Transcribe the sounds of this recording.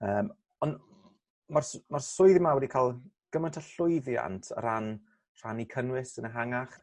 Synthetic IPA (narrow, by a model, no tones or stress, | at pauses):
əːm | ɔn | marsmarsʊɨðimawɛdikʰalˠ | ɡ̥əməntʰaɬʊɨðja̰ntʰə̰ɾ̥an | r̥anikʰənwɪsənəɦaŋaχ